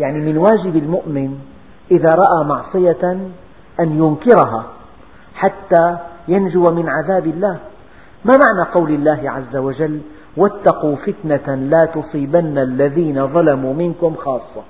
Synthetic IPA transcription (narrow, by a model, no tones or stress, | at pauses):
jaʕnimɪnwaːd͡ʒɪbɪlmʊʔmɪn | ʔɪðaːɾˤɑʔaːmɑʕsˤɨja | ʔanjʊnkɪɾɦa | ħat̪ːaːjand͡ʒʊwamɪnʕaðaːbɪlːaːh | mamaʕnaqɑwlɪlːaːɦɪʕazːawad͡ʒalː | wat̪ːɑquːfɪt̪nalaːt̪ʊsˤiːbanːalːaðiːnaðˤɑlamuːmɪnkʊmxɑːsˤːɑ